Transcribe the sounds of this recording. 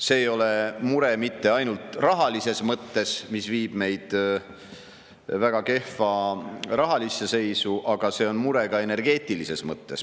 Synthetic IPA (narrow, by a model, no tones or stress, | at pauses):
se̞ːjo̞lemuɾe̞mit̪ːe̞ɑjnult̪ˑrɑɦɑlise̞smɤt̪ːe̞smisviːb̥me̞jd̪̥ | væɡ̥ɑke̞hfɑrɑɦɑlisːese̞jsuʔɑɡ̥ɑse̞ːo̞nmuɾe̞ɡ̥ɑe̞ne̞rɡ̥e̞ːt̪ːˑilise̞smɤt̪ːe̞s